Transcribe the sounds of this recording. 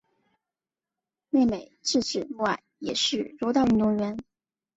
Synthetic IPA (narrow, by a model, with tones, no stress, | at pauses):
ne˥˩ɪme˨˩ɪʈ͡ʂɻ̩˥˩ʈ͡ʂɻ̩˨˩mu˥˩a̰˨˩˦ɪjɛ̰˨˩ʂɻ̩˥˩ɻo˧˥t̪ɑ˥˩ʊy˥nt̪ʊ˧˥ŋɥɛ˧˥n